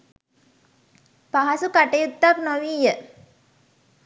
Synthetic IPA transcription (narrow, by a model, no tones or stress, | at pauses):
paɦasukaʈɐjut̪ːaknoʋiːjə